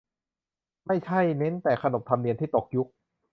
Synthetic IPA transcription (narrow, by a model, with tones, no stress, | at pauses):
ma˥˩jt͡ɕʰa˥˩jne˦˥nt̪ɛː˨˩kʰa˧no˨˩p̚t̪ʰa˧mdi˧ənt̪ʰiː˥˩t̪o˨˩k̚ju˦˥k̚